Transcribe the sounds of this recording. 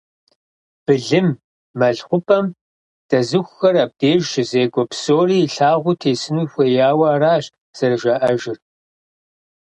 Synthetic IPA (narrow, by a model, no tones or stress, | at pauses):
b̥ɨɮɨmː | ɐɮχʷʊpʰʼɐm | d̥ɐzɨxʷxɐrab̚deːʒʒɪzeːɡʷɔpsoːriːɬaːʁʷʊtʰeːsɨnuːjxʷejaːwɐːraːɕ | z̥ɐrʒɐʔɐʒɪr